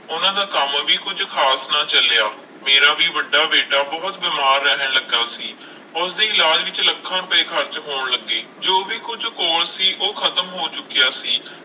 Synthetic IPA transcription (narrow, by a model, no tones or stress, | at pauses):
ʊnãːd̪aːkəmʋiːkʊd͡ʒkʰaːsnaːt͡ʃəljaː | meːɾaːʋiːʋəɖːaːʋeːɖaːbɔːt̪bɪːmaːɾːɛɦəɳləɡːaːsiː | ʊsd̪eːɪlaːd͡ʒʋɪt͡ʃləkʰːãːʊpeːkʰəɾt͡ʃɦoːɳləɡːeː | d͡ʒoːbiːkʊd͡ʒkoːlsiːʔoːkʰət̪əmɦoːt͡ʃʊkːɪjaːsiː